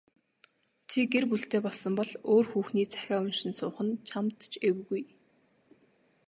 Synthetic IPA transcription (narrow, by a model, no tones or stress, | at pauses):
t͡ɕʰiɡerp̬uɮɬt̪eːpɔɮsɞ̆mpɔɮoːrxuːxniːt͡sʰæ̥xʲæːʊnʃɪ̆nsʊːχə̆nt͡ɕʰamt̪t͡ɕʰewɣuj